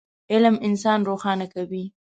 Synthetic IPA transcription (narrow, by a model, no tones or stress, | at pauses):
ɪlmɪnsɑnɾoxɑnakawi